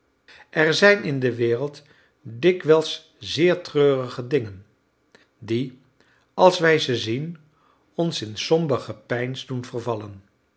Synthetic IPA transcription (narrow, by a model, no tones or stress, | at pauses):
ʔɛɹzɛjnɪndəʋɪːrəlˠt | dɪkʋɛlˠs | zɪːɹtrøːrəχədɪŋən | di | ɑlˠsʋɛjzəzin | ɔnsɪnsɔmbəχəpɛjnzdunvəɹvɑlən